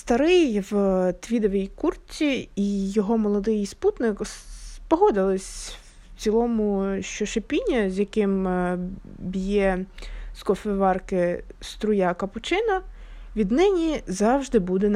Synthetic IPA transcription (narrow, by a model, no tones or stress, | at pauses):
st̪ɐɾɪjʋt̪ʋʲid̪ɔʋʲijkurt͡sʲiijɔɦɔmɔlˠɔd̪ɪjsput̪nɪkspɔɦɔd̪ɪlˠɪsʲw | t͡s̪ʲilˠɔmʊʃt͡ʃɔʃepʲinʲːɐzʲjɐkɪm | bʲijɛskɔfɛʋɑrkɪst̪ɾʊjɑkɐpʊt͡ʃɪnɐʋʲid̪nɪnʲizɑwʒd̪ɪbud̪ɛn